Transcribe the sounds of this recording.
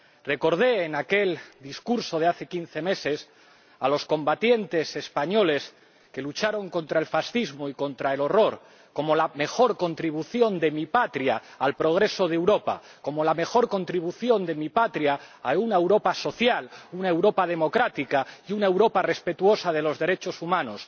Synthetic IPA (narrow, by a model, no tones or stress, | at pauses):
re̞ko̞ɾð̞e̞ːnake̞ld̪iskuɾso̞ð̞e̞aθe̞kin̟θe̞me̞se̞s | alo̞sko̞mbat̪je̞nt̪e̞se̞spaɲo̞le̞s | ke̞lut͡ʃaɾo̞ŋko̞nt̪ɾae̞lfasθizmo̞iko̞nt̪ɾae̞lo̞ro̞ɾ | ko̞mo̞lame̞xo̞ɾko̞nt̪ɾiβ̞uθjo̞nd̪e̞mipat̪ɾjaːlpɾo̞ɣ̞ɾe̞so̞ð̞ewɾo̞pa̰ | ko̞mo̞lame̞xo̞ɾko̞nt̪ɾiβ̞uθjo̞nd̪e̞mipat̪ɾiaːunaewɾo̞paso̞θjalunae̞wɾo̞pað̞e̞mo̞kɾat̪ikaiunaewɾo̞pare̞spe̞t̪uo̞sað̞e̞lo̞zðe̞ɾe̞t͡ʃo̞sumãno̞s